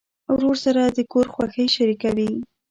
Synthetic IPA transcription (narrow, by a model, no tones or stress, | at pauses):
wɾoɾsaɾad̪əkoɾxwaxəjʃaɾikawi